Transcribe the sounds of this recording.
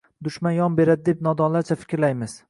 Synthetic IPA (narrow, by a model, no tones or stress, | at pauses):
d̪ʊʃmanjɒmbe̞ɾad̪ɪd̪e̞p̚nɒd̪ɒnlaɾt͡ʃʰafɪ̥kʲɾlajmɪz̥